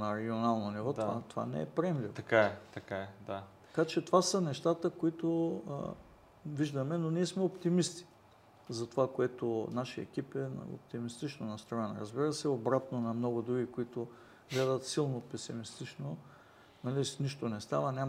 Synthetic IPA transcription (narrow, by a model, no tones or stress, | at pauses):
nɐɾɛɡʲionalˠnonivɔt̪va̰t̪ova̰nɛ̰ɛ̰pɾɛmlit̪ɐkaɛt̪ɐkaɛd̪at̪ɐ̥kat͡ʃɛt̪ovasənɛʃt̪at̪əkoit̪o̰ | viʒd̪ɐmɛnoniɛsmɛopt̪imist̪i̥ | zɐt̪ovakoɛt̪onaʃḭɛ̰kʲipɛn̰o̰p̚t̪imist̪it͡ʃnonɐst̪ɾɔjɛnɐ̰ɾɐzbiɾəsɛobɾat̪nonɐmnɔɡʊd̪ɾuɡʲikoit̪o | ɡlɛd̪ɐt̪silˠnopɛsimist̪it͡ʃno | nɐliniʃt̪onɛst̪avənʲam